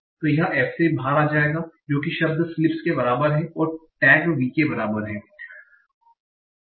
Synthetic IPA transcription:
t̪ojɐɦãʔɛːfsebʱaːɾaːd͡ʒaːeːɡad͡ʒoːk̬iʃɐb̚d̪slɪpskebɐɾaːbəɾɦɛ̃ʔɔːɾʈɛːɡʋiːkebɐɾaːbəɾɦɛ̃ː

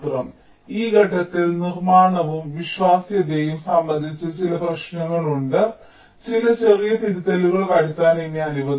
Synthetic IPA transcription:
t̪rɐm | iːɡʱɐʈːɐt̪ːilnirmaːɳɐʋumʋiɕwaːsjɐd̪ejumsɐmbɐnd̪ʱit͡ɕːɐt͡ɕilɐbrɐʂnɐŋːɐɭuɳɖɨ | t͡ɕilɐt͡ɕerijɐt̪iɾit̪ːeluɣɐɭkɐɽit̪ːaːnenːɲaːniʋɐ

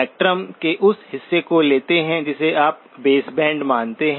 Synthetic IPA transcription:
ɛːk̚ʈɾəmkeʔʊshɪsːekoleːt̪eɦɛ̃d͡ʒɪseaːp̚ | beːsbɛ̃ːɳɖmãːnt̪eɦɛ̃

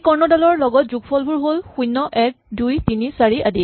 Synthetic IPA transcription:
kɔɹnɔdalɔɹlɔɡɔtzuɡpʰɔlbuɹɦolxujnːɔʔɛk̚dujtinisaɹiadi

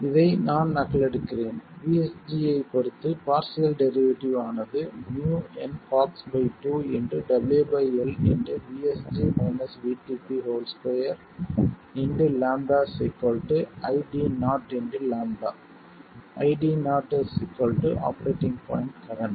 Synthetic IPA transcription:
ɪðɐɪnaːnnɐɣɐɭɛɽɯkːɪɾeːnʋiːɛsd͡ʒiːɐɪpɔɽɯt̪ːɯpaːɾsɪjɐlɖɛɾɪʋɐʈiʋaːnɐðɯnjuːɛnkaːksbɐɪʈuːɛndɯɖɐbɪljubɐɪɛlɛ̰ndɯʋiːɛsd͡ʒimɐɪnɐsʋiːʈiːpiɦoːlspɐjɐɾ | ɛndɯlaːɳbaːsɪkːɔlʈɯɐɪɖiːnaːʈɛndɯlaːɳɖa̰ː | ʔɐɪɖiːnaːʈːɐsɪkːolʈɯʔa̰ːpɐɾeːʈɪŋɡpa̰ːɪɳʈkɐɾɐɳʈ

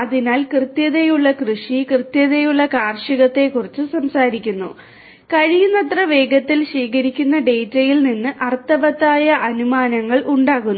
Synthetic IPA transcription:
ɐðinaːlkrɨt̪jɐðejuɭːɐkrɨʂikrɨt̪jɐðe̞juɭːɐkaːrʂiɣɐt̪ːe̞kːurit͡ɕːɨsɐmsaːɾikʲːunːu | kɐɻijunːɐt̪rɐʋe̞ːɡɐt̪ːilɕiːkɐɾikʲːunːɐɖe̞jtːɐjilninːɨʔɐrt̪ːɐʋɐt̪ːaːjɐʔɐnumaːnɐŋːɐɭʔuɳɖaːɣunː

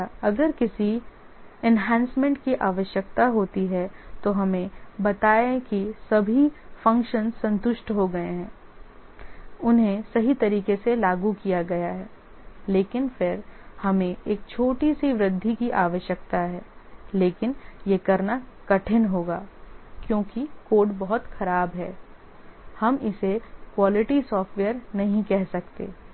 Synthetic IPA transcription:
ɐɡəɾkɪsi | ɛnɦɛ̃ːnsmɛ̃ːɳʈkiʔaːʋəʃjəkt̪aɦoːt̪iɦɛt̪oɦɐmẽbɐt̪aːẽkisɐbʱifɐ̃ŋkʃənsɐ̃nt̪ʊʃʈɦoɡɐeɦɛ̃ː | ʊnɦẽsɐɦit̪ɐɾiːkeselaːɡukijaɡɐjaɦɛː | leːkɪnfɪɾhɐmẽʔeːk̚t͡ʃʰoːʈisiʋɾɪd̪ʱːikiʔaːʋəʃjəkt̪aɦɛːleːkɪnjekɐɾnakɐʈʰɪnɦoːɡaːkjõːkikoːɖbɐɦʊt̪xɐɾaːbɦɛː | hɐmɪsekwaːlɪʈisɔːfʈʋeːəɾnɐɦĩkɛɦsɐkt̪ḛː

